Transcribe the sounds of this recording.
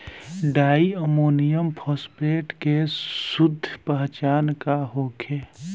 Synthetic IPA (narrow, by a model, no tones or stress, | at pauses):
ɖaːiəmoːnijəmpʰɔːspeːʈkesʊd̪ʱːpəɦt͡ʃaːnkaɦoːkʰeː